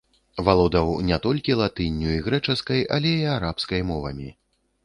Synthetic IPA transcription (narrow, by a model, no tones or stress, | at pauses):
valˠɔd̪ɐwnʲɛt̪ɔlʲkʲilˠat̪ɨnʲːuiɣɾɛt͡ʂɐskɐjʔalʲɛiaɾapskɐjmɔvɐmʲi